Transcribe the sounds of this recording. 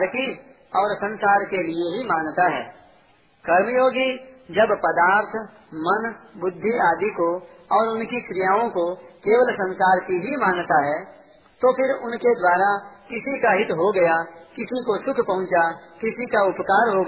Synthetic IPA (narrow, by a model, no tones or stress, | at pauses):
ɾki | ɔːɾsə̃nsaːɾkelieɦimaːnt̪aɦɛ̰ː | kɐɾmjoːɡid͡ʒɐbpɐd̪aːɾt̪ʰ | mɐnbʊd̪ʱːiaːd̪iko | ɔːɾʊnkikɾɪjaːõkokeːʋəlsɐ̃nsaːɾkiɦimaːnt̪aɦɛː | t̪opʰɪɾʊnked̪waːɾakɪsikaɦɪt̪ɦoɡɐjakɪsikosʊkʰpɐɦʊ̃nt͡ʃakɪsikaʊpkaːɾɦoɡ